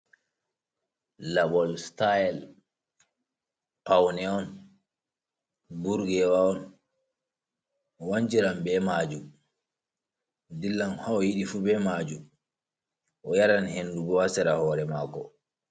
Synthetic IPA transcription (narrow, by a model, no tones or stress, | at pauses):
labɔlstajɛl | pawnɛɔn | buɾɡɛwaɔn | waɲd͡ʒiɾambɛmaːd͡ʒu | dilːanhaɔjiɗifubɛmad͡ʒu | ʔɔjaɾanhendubɔwasɛɾahɔːɾɛmakɔ